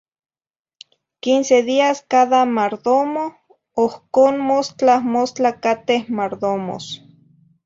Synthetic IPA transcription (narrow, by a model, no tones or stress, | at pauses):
kinseðiaskaðamaɾðomo | ohkoːnmost͡ɬamost͡ɬakat̪ehmaɾðomo̰s